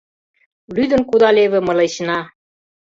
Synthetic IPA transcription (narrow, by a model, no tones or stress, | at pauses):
lyd̪ə̆nkud̪ɑleβɘ̆mɤ̆let͡ɕnɑ